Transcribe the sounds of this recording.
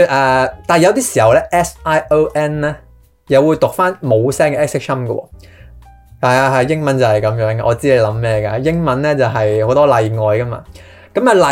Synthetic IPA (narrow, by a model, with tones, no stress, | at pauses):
ʔaː˨˧t̪aː˨˩jɐ˨˧wt̪iː˥siː˨˩hɐ˨wlɛː˥ʔɛː˥saː˥jo˥wʔɛː˥nlɛː˥ | jɐ˨˧wuː˨˧jt̪ʊ˨k̚faː˥nmo˨˧wsɛː˥ŋkɛː˨˧ɛː˥ksɪ˥k̚sʰɐ˥mkə̰˧wɔ̰ː˧ | hɐ˨jaː˧ɦɐ˨jjɪ˥ŋmɐ˨˦nt͡sɐ˨hɐ˨jkɐ˨˧˥mjœː˨˥ŋɡaː˧˨ɔː˨˧t͡siː˥le˧jlɐ˨˥mmɛː˥ɡa̰ː˧jɪ˥ŋmɐ˨˥nlɛː˥t͡sɐ˨wɦɐ˨jho˨˥wt̪ɔː˥lɐ˨˧jŋɔː˨jkɐ˥ma̰ː˧ | kɐ˨˥mɐ˨˧lɐ˨